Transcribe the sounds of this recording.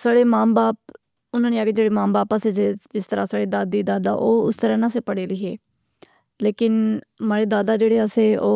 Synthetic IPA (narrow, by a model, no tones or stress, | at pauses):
saːɽeːmaːmbaːp̚ | ʊnãːneːaːɡeːd͡ʒeːɽeːmãːmbaːpaseːd͡ʒɪst̪əɾa̰ːsaːɽeːd̪aːd̪iːd̪aːd̪a̰ːʔoːʊst̪əɾãːnãːseːpəɽeːləiːɦḛː | leːkɪnmaːɽeːd̪aːd̪aːd͡ʒeːɽeːəseːoː